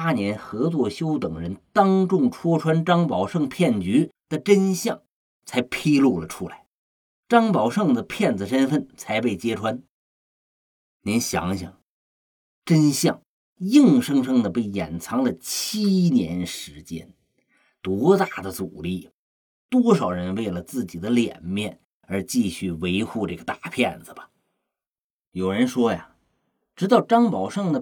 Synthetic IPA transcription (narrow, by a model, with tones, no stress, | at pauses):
a˥njɛ˧˥nxɤ˧˥t͡swɔ˥˩ɕjo˥ʊt̪ɤ˨˩ŋɻə˧˥nt̪ɑ˥ŋʈ͡ʂʊ˥˩ŋʈ͡ʂʰwɔ˥ʈ͡ʂʰwa˥nʈ͡ʂɑ˥ŋpɑ˨˩ʊʂɤ˥˧ŋpʰjɛ˥˩nt͡ɕy˧˥d̪̥ə˨ʈ͡ʂə˥nɕjɑ˥˩ŋ | t͡sʰa˧˥ɪpʰi˥lu˥˩lə˩ʈ͡ʂʰu˥la˧˥ɪ | ʈ͡ʂɑ˥ŋpɑ˨˩ʊʂɤ˥˩ŋd̪ə˩pʰjɛ˥˩nd͡zɹ̩˩ʂə˥nfə˥˩nt͡sʰa˧˥ɪpe˥˩ɪt͡ɕjɛ˥ʈ͡ʂʰwa˥n | njɛ˧˥nɕjɑ̰˧˥ŋɕɑ̰˨˩ŋ | ʈ͡ʂə˥nɕjɑ˥˩ŋ | ji˥˩ŋʂɤ˥ŋʂɤ˥ŋd̪ə˨pe˥˩ɪjɛ˨˩nt͡sʰɑ˧˥ŋd̪ə˨t͡ɕʰi˥njɛ̰˧˥nʂɻ̩˧˥t͡ɕjɛ̰˥n | t̪wɔ˧˥t̪a˥˩d̪ə˩t͡su˨˩li˥˩ | t̪wɔ˥ʂɑ˨˩ʊɻə˧˥nwe˥˩ɪlə˩t͡sɹ̩˥˩t͡ɕi˨˩d̪ə˦ljɛ̰˨˩nmjɛ˥˩n | ə˞˧˥t͡ɕi˥˧ɕy˥˩we˧˥ɪxu˥˧ʈ͡ʂɤ˥˩ɡə˩t̪a˥˩˧pʰjɛ˥˩nd͡zɹ̩˩bɐ˩ | jo˨˩ʊɻə˧˥nʂwɔ˥ja˨ | ʈ͡ʂɻ̩˧˥t̪ɑ˥˩ʊʈ͡ʂɑ˥ŋpɑ˨˩ʊʂɤ˥˩ŋd̪ə˩